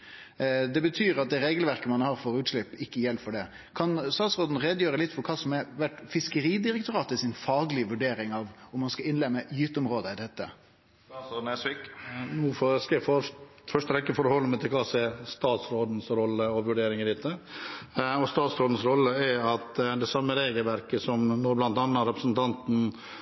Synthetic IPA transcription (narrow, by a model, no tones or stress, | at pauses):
d̪ɛbət̪ʰyːɾɑt̪̚d̪ɛɾeːɡəlʋæɾkəmɑnhɑːɾfɔɾʉːt̪ʂɭɪpːɪkːəjɛlfɔɖɛ | kʰɑnst̪ɑːt̪sɾoːd̪n̩ɾeːd̪əjøːɾəlɪt̪ːfɔɾkʰɑːsɔmɛɾʋæʈfɪskəɾiːd̪ɪɾəkt̪ʊɾɑːt̪ɪsɪnfɑːɡlɪʋʉɖeːɾɪŋɑʋʊmːɑnskɑɪnlɛmːəjʏːt̪ʊmɾoːd̪əɪd̪ɛt̪ːə̰ | sʋiknuːfɔskɛfɔɾ | fœʂʈəʋɛkːəfɔɾhɔlːəmɛt̪ʰɪlkʰɑːsɛːɾst̪ɑːt̪sɾoːd̪n̩sɾɔlːəɔʋʉɖeːɾɪŋəɾɪt̪ʰːə | ɔst̪ɑːt̪sɾoːd̪n̩sɾɔlːəæɾɑt̪d̪ɛsɑmːəɾeːɡəlʋæɾkəsɔmnɔɾblɑnt̪ɑːnːɑɾɛpɾəsn̩t̪ʰɑnt̪n̩